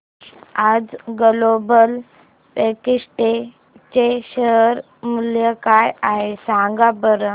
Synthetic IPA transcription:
ad͡zɡəlobəl | pekiʂʈe | t͡ɕeɕəɦɾ | muljəkajaɦesãŋɡabəɾə

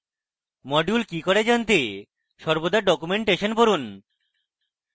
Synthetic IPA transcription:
mɔɖjulkikoɾed͡ʑant̪e | ʃɔɾbod̪aɾɖɔkumeɳʈeʃonpoɾun

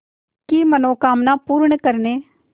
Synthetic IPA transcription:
kiːmənõːkaːmnaːpuːɾəɳkəɾneː

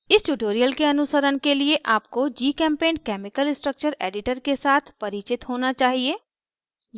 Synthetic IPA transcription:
ɪsʈuʈoːɾijəlkeɐnʊsəɾənkelieʔaːp̚kod͡ʒiːkɛ̃ːmpẽːnɖkɛːmɪkəlɪsʈɾək̚t͡ʃəɾeːɖɪʈəɾkesaːt̪ʰpɐɾɪt͡ʃɪt̪ɦoːnat͡ʃaːɦieː | j

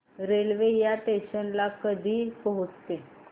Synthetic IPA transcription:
ɾelʋejaʈeɕənlakəd̪ʱiːpəɦut͡st̪e

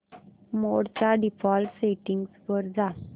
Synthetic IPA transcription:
moɽt͡ɕaɖifɔlseʈiŋɡspəɾd͡za

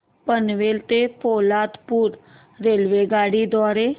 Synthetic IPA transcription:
pənʋelt̪epolat̪puːɾ | ɾelʋeɡaɽid̪ɔɾe

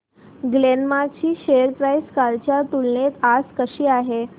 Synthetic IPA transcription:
ɡlenmat͡ɕiːɕejəɾpɾajskaɾt͡ɕjat̪ulnet̪ad͡zkəɕiːaɦe

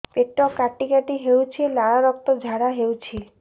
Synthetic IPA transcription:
peʈːɔkaʈikaʈiɦewt͡ʃʰilaɽaɾɔk̚t̪ɔd͡ʒʱaɽaɦewt͡ʃʰi

